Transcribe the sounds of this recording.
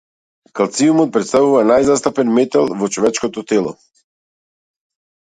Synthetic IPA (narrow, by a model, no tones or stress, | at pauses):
kalˠt̪siumɔt̪̚pɾɛt̪st̪avuvanajzast̪apɛnmɛt̪alˠvɔt͡ʃɔvɛt͡ʃkɔt̪ɔt̪ɛlˠɔ̰